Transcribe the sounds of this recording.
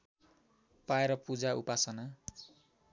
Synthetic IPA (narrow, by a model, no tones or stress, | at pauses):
paeɾʌpud͡zaupasʌna